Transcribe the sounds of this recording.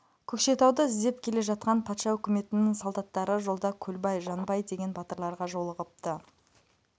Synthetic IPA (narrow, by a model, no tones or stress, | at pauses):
kʲʰɵkʃe̞t̪ɑwd̪əɪzd̪e̞pkʲʰe̞le̞ʒɑt̪̚qɑnpʰɑt̪ʃɑɵkʲɪme̞t̪ɪnɪŋsolˠd̪ɑt̪ːɑɾəʒo̞lˠd̪ɑkʲʰɵlbɑjʒɑnbɑjd̪e̞ɡʲe̞nbɑt̪əɾlˠɑɾʁɑʒo̞lˠəʁəp̚t̪ə